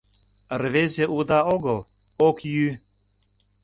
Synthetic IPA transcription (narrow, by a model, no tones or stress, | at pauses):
rβezʲeʔud̪ɑoɣəl | okjy